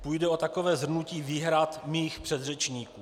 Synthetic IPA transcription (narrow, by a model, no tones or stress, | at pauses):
pujdɛo̞t̪akovɛːzr̩nuciːviːɦɾat̪miːxpr̥ɛd̪rɛt͡ʃɲiːkuː